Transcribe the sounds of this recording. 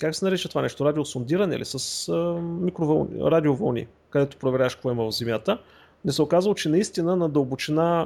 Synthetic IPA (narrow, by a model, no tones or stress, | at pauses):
kaksɛnɐɾɛt͡ʃət̪ovanɛʃt̪oɾad̪iosond̪iɾɐnɛ̰ḭlḭsəsmikɾovəlˠnɾad̪iovɐ̰lˠnḭ | kəd̪ɛt̪o̥pɾovɛɾʲjaʃkvɔiməvɐvzɛmʲjat̪ə | nɛsɛokazvəlˠot͡ʃɛnɐist̪inənɐd̪əʊbʊt͡ʃɛna